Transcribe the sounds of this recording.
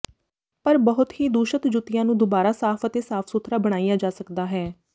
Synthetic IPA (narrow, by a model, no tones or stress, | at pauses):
pəɾbəɦʊt̪hiːd̪uːʃət̪d͡ʒʊt̪ɪjãːnũːd̪obaːɾaːsaːpʰət̪eːsaːpʰsʊt̪ʰɾaːbəɽ̃aːijaːd͡ʒaːsəkd̪aːɦɛː